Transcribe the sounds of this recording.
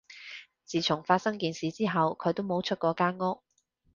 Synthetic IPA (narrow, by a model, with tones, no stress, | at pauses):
t͡siː˨t͡sʰʊ˨˩ŋfaː˧t̚sɐ˥ŋkiː˨nsiː˨t͡siː˥ɦɐ˨wkʰɵ˨˧ɥt̪o˥wmo˨˧˥wt͡ʃʰɵ˥t̚kɔː˨˧kaː˥nŋʊ˥k̚